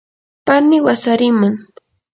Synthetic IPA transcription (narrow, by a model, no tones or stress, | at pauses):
panɪwasaɾɪmaŋ